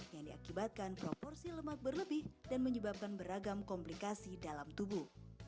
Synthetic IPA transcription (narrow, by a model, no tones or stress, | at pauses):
jaŋdiakibat̪̚kanpɾopɔrsiləmak̪̚bərləbɪhdanməɲəbap̚kanbəɾaɡamkɔmplikasidalamt̪ubuh